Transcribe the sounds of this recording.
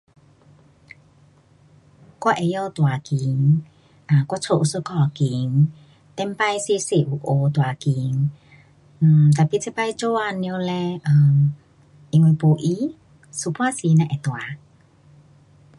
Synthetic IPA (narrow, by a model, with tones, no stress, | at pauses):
ka˧˨ʔɛ˧jə˧t̪wa˨ki˨˦ŋ | ʔa˨˩kwa˧˥t͡sʰo˧˨ʔu˧sə˧kɔ˧˩ki˨˦ŋ | t̪ɛ˧˥mpa˧˨jse˧˦se˧˩˨ʔu˧˩ʔo˧t̪̬wa˨ki˨˦ŋ̩˨˩ | t̪a˨˩pi˧˦˨t͡sʰi˧˦pa˧jt͡ɕo˧˦a˧ni˧wlɛ˧ʔə˨ | ʔi˧ŋwe˧po˧ʔi˧˦ | su˧pwa˥˧˨si˧˦nã˧˨ʔɛ˨t̪wa˨˦